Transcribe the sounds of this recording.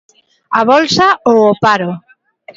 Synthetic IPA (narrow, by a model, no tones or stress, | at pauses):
aβɔlsaoopaɾo